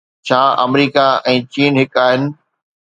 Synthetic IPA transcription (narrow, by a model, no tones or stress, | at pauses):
t͡ɕʰaːɐmɾiːkaɛ̃ːt͡ɕiːnɦɪkaːɦɪnɪ̆